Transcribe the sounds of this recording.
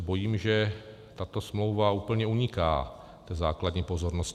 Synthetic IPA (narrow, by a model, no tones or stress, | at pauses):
bo̞jiːmʒɛ | t̪at̪o̞smlo̞wvauːpl̩ɲɛuɲɪka̰ː | t̪ɛːzaːkladɲiːpo̞zo̞ɾnosc